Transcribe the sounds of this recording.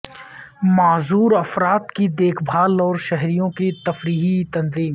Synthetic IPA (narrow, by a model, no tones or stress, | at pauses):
maːzuːɾɐfɾaːt̪kid̪eːkʰbʱaːlɔːɾʃɛɦɾijõkit̪ɐfɾiːɦit̪ɐnziːm